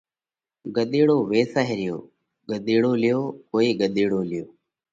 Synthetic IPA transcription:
ɡəɗ̪iːɽoːʋeːsaːɦeːɾɪjo̰ː | ɡəɗ̪iːɽoːlɪjoːkoːiːɡəɗ̪iːɽoːlɪjoː

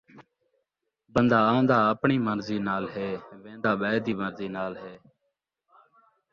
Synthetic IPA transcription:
bənd̪aːãːnd̪aːəpɳiːməɾziːnaːlɦeːʋẽːnd̪aːɓəːd̪iːməɾziːnaːlɦeː

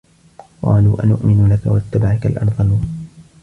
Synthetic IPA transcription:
qɑ̰ːluːʔanʊʔmɪnʊlakawat̪ːabaʕakalʔɑ̰ɾˤd̪ˤɑlu

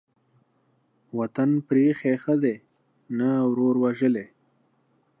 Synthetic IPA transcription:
wat̪anpɾexexəd̪e | nawɾoɾwaʒəle

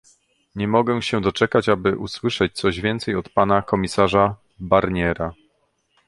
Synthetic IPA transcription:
ɲɛmɔɡɛw̃ɕɛd̪ɔt͡ʂɛkat͡ɕabɘʔuswɘʂɛt͡ɕt̪sɔʑvʲjɛnt̪sɛjɔt̪panakɔmʲisaʐa | baɾɲɛɾa

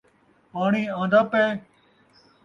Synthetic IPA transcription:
paːɳiːãːnd̪aːpeː

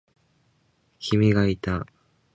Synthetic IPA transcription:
kʲimʲiɡait̪a

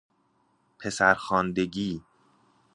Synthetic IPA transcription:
pʰe̞sæɾxɒːnd̪eɟiː

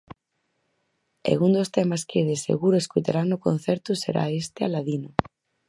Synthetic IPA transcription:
ḛɣund̪ost̪emaskeðesḛɣuɾoeskujt̪aɾanoko̰n̟θɛɾt̪usḛɾa̰est̪ealaðino

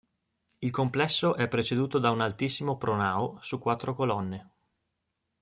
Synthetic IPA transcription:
ilkomplɛsːoʔɛpːɾet͡ʃed̪uːt̪od̪aunalt̪isːimopɾonaːosukːwat̪ːɾokolɔnːe

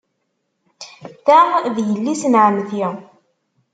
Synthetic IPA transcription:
θæðjəlːisnʕəmθjɪ

